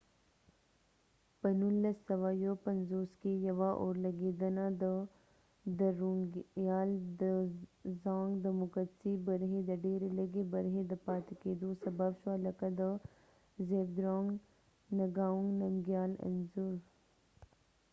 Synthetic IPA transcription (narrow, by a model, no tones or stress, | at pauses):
pɐnulːɐsɐʋaːjoːpɐnzoːskejɐʋaʔoːɾlɐɡeːd̪ɐnad̪ə | d̪ɐɾuŋjaːld̪əzãːŋɡd̪ɐmʊkət̪sibəɾɦẽd̪ɐɖeːɾeləɡebɐɾɦẽd̪ɐpaːt̪ikeːd̪uːsɐbaːbʃaːlɐkɐd̪ə | zeːb̚d̪ɾoːŋɡ | nɐɡaːũŋɡnɐmɡjaːlɐ̰nzuɾ